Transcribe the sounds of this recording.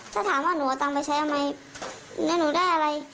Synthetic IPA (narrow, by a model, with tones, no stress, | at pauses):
t̪ʰaː˥˩t̪ʰaː˨˩˦mwaː˥˩nuː˨˦˩a˨˩t̪a˧ŋpa˧jt͡ɕʰa˦˥jʔa˧ma˧j | nɯ˦˥nuː˨˩˦daː˥˩jʔa˧ɾa˧j